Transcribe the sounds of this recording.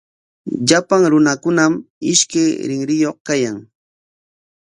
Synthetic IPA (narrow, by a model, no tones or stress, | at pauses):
ʎapaŋɾʊnakʊnamɪʃkajɾɪŋɾɪjoχkajaŋ